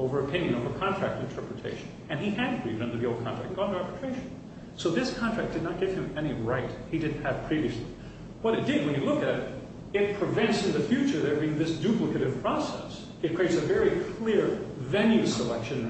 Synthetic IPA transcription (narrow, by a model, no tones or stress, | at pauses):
oʊvə˞ɨpʰɪ̃njɨ̃noʊvə˞kʰɑ̃ntʰɹ̥æ̰k̚tɨ̃ntʰɜ˞pɹɨtʰeɪʃɨ̃n̩ | ɨ̃niɨd̚ɡɹḭvdʌ̃ndə˞ðioʊlˠd̚kʰɑ̃nʰɹ̥æ̰kt̩ɡɑ̃nðəɹɛpətʰɹ̥eɪʃn̩ | soʊðɪskʰɑ̃ntɹ̥æk̚d̥ɨdⁿnət̚ɡ̥ɪv̥ɨ̃mɛñiɹaɪt̚hidɨdⁿn̩ɨv̥pʰɹ̥iviɨslḭ | w̥ʌɾɨt̚d̥ɪd̚wɨ̃njɨlʊkɨɾ | ɪt̚pʰɹ̥ɨvɛ̃ntsɨ̃nðɨfjʉt͡ʃə˞ðə˞biɪ̃ŋðɪsd̥ʉpləkɨɾɨv̥pʰɹ̥ɔsɛ̰s | ɨt̚kʰɹ̥ieɪtsɨvɛɹikʰl̥ɪɹvɛ̃njʉəlɛkʃɨ̃n